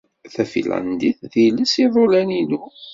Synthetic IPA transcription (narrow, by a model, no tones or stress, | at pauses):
θæfḭlæ̰nd̪iθðiləsiðˤolænilu